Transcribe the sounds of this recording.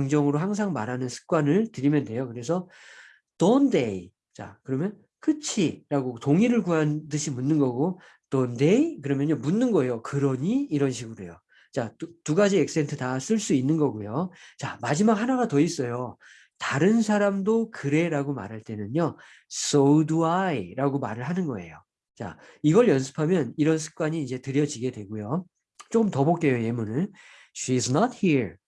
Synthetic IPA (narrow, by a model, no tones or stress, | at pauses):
ŋd͡ʑʌŋɯɾoɦaŋs̬ʰaŋma̰ɾɦanɯnsʰɯ̥k̚k͈wanɯɭtɯɾimjʌnde̞jokɯɾe̞sʰʌ | tʌnde̞i | t͡ɕa̰kɯɾʌmjʌn | kʰɯt͡ɕʰiɾaɡotoŋiɾɯɭkuɦandɯɕʰimunːɯnɡʌɡo | tʌndeikɯɾʌmjʌnjomunːɯnɡʌejokɯɾʌɲiːɾʌnɕʰiɡɯɾojo | t͡ɕatuɡad͡ʑiek̚s͈ʰentʰɯtas͈ɯɭs͈uinːɯnɡʌɡujot͡ɕa̰mad͡ʑimak̚hanaɡatʌis͈ʌjo | taɾɯns̬ʰaɾamdokɯɾe̞ɾaɡoma̰ɾɦaɭt͈e̞nɯnjo | s͈oduaiɾaɡoma̰ɾɯɭhanɯnɡʌe̞̰jo | t͡ɕa̰ | iɡʌɭjʌnsʰɯ̥pʰamjʌniɾʌns̬ʰɯ̥k̚k͈waɲiːd͡ʑe̞tɯɾjʌd͡ʑiɡe̞dwe̞ɡujo | t͡ɕ͈ok͈ɯmtʌbok͈ejoje̞munɯn | ɕiznʌt̚hiɹ